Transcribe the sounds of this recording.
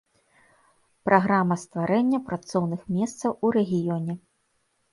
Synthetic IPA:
pɾʔaɣɾamɐst̪vaɾɛnʲːɐpɾat̪sɔwnɨxmʲɛst̪sɐwuɾɛɣʲijɔnʲɛ

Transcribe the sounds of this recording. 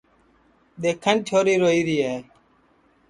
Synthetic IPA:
ɗ̪eːkʰənt͡ʃʰoːɾiːɾoːiːɾiːeː

